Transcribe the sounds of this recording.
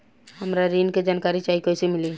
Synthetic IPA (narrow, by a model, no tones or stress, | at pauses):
ɦəmɾaɾinked͡ʒaːnkaɾit͡ʃaikojsemɪli